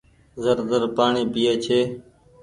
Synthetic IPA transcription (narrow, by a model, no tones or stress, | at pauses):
zəɾd̪əɾpaːɳeːpɪjeːt͡ʃʰeː